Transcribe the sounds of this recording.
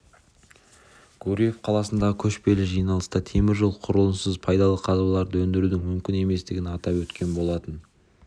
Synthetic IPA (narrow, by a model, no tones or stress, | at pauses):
ɡ̥uɾʲije̞fqʰɑlˠɑsənd̪ɑʁəkʲʰɵʃpe̞lɪʒijnɑlˠəst̪ət̪ʰe̞mɪɾʒəlˠqʰʊɾəlˠənsəzpʰɑjd̪ɑlˠəqʰɑzblˠɑɾd̪əwɵnd̪ɪɾud̪ɪŋmʏmkʲɪne̞me̞st̪ɪɡʲɪnɑt̪ɑpwɵt̪kʲe̞nbo̞lˠɑt̪ən